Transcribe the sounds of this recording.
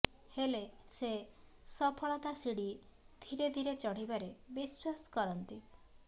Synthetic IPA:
helese | sɔpʰɔɭɔt̪asiɽi | d̪ʱiɾed̪ʱiɾet͡ʃɔɽ̤ibaɾebiswasɔ̥kɔɾɔnt̪i

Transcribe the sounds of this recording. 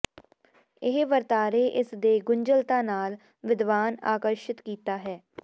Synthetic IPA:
ɪɦʋəɾt̪aːɾeːʔɪsd̪eːɡʊɲd͡ʒəlt̪ãːnaːl | ʋɪd̪ʋaːna̰ːkəɾʃɪt̪kiːt̪aːɦɛː

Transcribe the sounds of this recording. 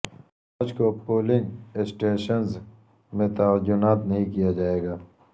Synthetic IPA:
aːd͡ʒkopoːlɪ̃ŋɡɪsʈeːʃənz | mẽt̪ɐʋəd͡ʒʊnaːt̪nɐɦĩkijad͡ʒaːeːɡaː

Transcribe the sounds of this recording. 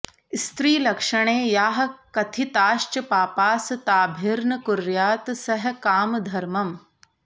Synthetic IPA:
st̪ɾiːlɐkʂɐɽ̃eːjaːɦɐ̆kɐt̪ʰit̪aːʃt͡ʃɐpaːpaːst̪aːbʱiɾnəkʊɾjaːt̪sɐɦkaːmd̪ʱɐɾmɐm

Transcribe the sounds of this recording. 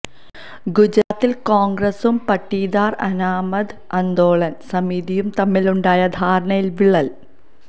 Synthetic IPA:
ɡud͡ʑɾaːt̪ːilkoːŋɡɾɐsumpɐʈːiːd̪aːrɐ̰naːmɐd̪ | ɐnd̪o̞ːɭɐnsɐmiðijumt̪ɐmːiluɳɖaːjɐd̪ʱaːɾɐɳɐjilʋiɭːɐl

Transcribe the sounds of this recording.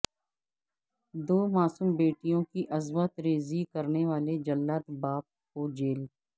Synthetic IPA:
d̪oːmaːsuːmbeːʈijõkiʔɐzʋət̪ɾeːzikəɾneʋaːled͡ʒɐlːaːt̪baːp̚kod͡ʒeːl

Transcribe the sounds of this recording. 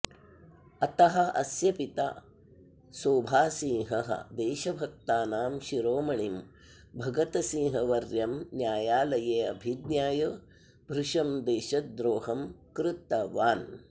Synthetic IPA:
ɐt̪ɐɦɐ̆ɐ̰sjɐpit̪a̰ | soːbʱaːsĩːɦɐɦɐ̰d̪eːʃɐbʱɐk̚t̪aːnaːmʃiɾoːmɐɳim | bʱɐɡɐt̪ɐsĩːɦɐʋɐɾjɐmnjaːjaːlɐjeːɐbʱid̪njaːjɐ | bʱɾuʂɐmd̪eːʃɐd̪ɾoːɦɐmkɾɪt̪ːɐʋaːn

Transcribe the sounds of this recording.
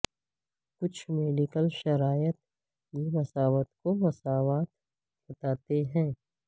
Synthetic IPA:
kʊt͡ʃʰmeːɖɪkəlʃɐɾaːjət̪̚ | jimɐsaːʋət̪komɐsaːʋaːt̪ | bɐt̪aːt̪eɦɛ̃ː

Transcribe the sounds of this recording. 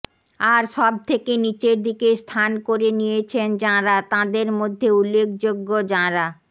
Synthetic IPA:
aɾʃɔb̚t̪ʰekenit͡ɕeɾd̪ikest̪ʰankoɾenijet͡ɕʰend͡ʑãɾat̪ãd̪eɾmod̪ʱːeulːek̚ʰd͡ʑoɡːod͡ʑãɾa

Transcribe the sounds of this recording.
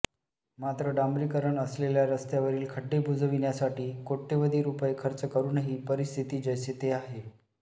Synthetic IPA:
mat̪ɾəɖamɾikəɾəɳəsleljaɾəst̪jaʋəɾiːlkʰəɖːebʱud͡zəʋinjasaʈiːkoʈʰːeʋəd̪ʱiːɾupəjekʰəɾt͡səkəɾuːnaɦipəɾist̪ʰit̪iːd͡ʑəjset̪eaɦe

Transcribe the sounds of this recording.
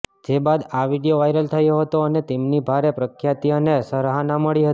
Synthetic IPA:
d͡ʒebad̪aʋiɽijoʋajɾəlt̪ʰəjoɦət̪oənet̪emnibʱaɾepɾəkʰjat̪ionesəɾɦanaməɭiɦət̪

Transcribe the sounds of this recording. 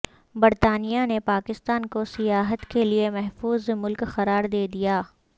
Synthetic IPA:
bɐɾt̪aːnijanepaːkɪst̪aːnkosijaːɦət̪keliemɛɦfuːzmʊlkxɐɾaːɾd̪eːd̪ijaː

